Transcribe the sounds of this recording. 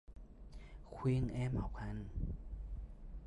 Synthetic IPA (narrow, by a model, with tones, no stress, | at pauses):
kʰwi˧ŋʔɛː˧˥˨mha˨˩˦wkʰa˧˥n